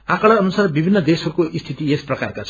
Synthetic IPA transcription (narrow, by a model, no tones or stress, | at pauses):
akʌɽaʌnusarbibʱinːʌd̪esʌɾukoʔist̪ʰit̪iesprʌka̰rkat͡sʰ